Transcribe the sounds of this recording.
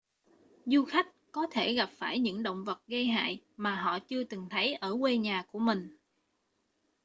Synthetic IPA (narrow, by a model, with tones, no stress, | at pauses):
zu˧xa˦˥jk̟̚kɔ˨˦t̪ʰe˧˩ɣa˨˩p̚faː˧˩jɲɨ̰˧˥ŋɗo̰˧˨wŋ͡mvə˨˩t̚ɣə˧jɦa̰ː˧˨jmaː˨˩ɦɔ̰˧˨t͡ɕɨ˧ət̪ɨ˨˩ŋt̪ʰə˨˦jʔəː˧˩kwe˧ɲaː˨˩ku˧˩əmï˨˩ŋ̟